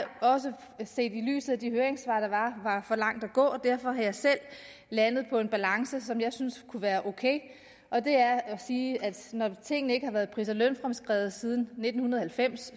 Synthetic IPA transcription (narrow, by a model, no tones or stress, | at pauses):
ɒ̽s̬ə | se̝̰ːd̥ily̰ːsð̩ˠæd̥iɦøːɐeŋsʋɑ̰̈ːd̥ɑ̈ʋɑ̈ʋɑ̈fɒ̽lɑ̈ŋ̰d̥æɡ̥ɔ̰̽ːd̥æɐ̰fɒ̽ɦɑ̈jɑ̈ɪsel̰ | lænð̞̩ˠpʰɒ̽e̝nb̥ælɑ̈ŋsəsɒ̽mjɑ̈ɪsynskʰuʋæːɐʔokʰḛɪ | ʔɒ̽d̥e̝æɐsiːæd̥nɒt͡sʰe̝ŋ̰nəe̝ɡ̥əhɑ̈ʋæːɐðˠpʰʁisɐlønfʁɑmsɡ̥ʁɛ̰ːʊð̩ˠsið̞ˠn̩ne̝d̥n̩hunɐðˠhælfem̰s